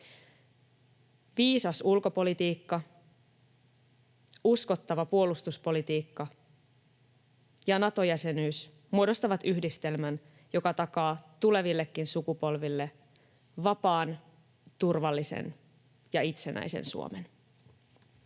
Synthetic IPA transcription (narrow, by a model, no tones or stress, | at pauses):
ʋiːsɑsulko̞po̞lit̪iːkːɑ | usko̞t̪ːɑʋɑpuo̞lust̪uspo̞lit̪iːkːɑ | jɑnɑt̪o̞jæse̞nyːs | muodo̞st̪ɑʋɑt̪yhdist̪e̞lmæn | jo̞kɑt̪ɑkɑːt̪ule̞ʋilːe̞kːinsukupo̞lʋilːe̞ | ʋɑpɑːn | t̪urʋɑlːisḛn | jɑit̪se̞nʔæ̰jsḛnsṵo̰men